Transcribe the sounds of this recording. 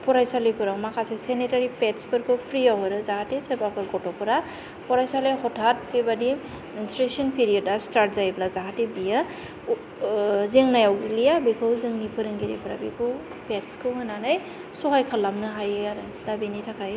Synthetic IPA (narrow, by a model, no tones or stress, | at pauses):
pʰɔɾajsalipʰɯɾawmakʰasesenitaɾipetspɯɾkʰɯwpʰɾiawɯɾɯzahatesebakʰɯɾɡɔtɔpʰɯɾa | pɔɾajsalehɔtʰat̚bibadi | instɾesɔnpʰiɾiɔdastaɾt̚zajblazaɦatebijɯ | zeŋnajawɡilijabikʰɯwzɯŋnipʰɯɾɯŋɡiɾḭpʰɯɾa̰bikʰɯw | petskʰɯwhɯnanaj | sɔɦajkʰalːamnɯɦajɯaɾɯ | d̥abinitʰakʰaj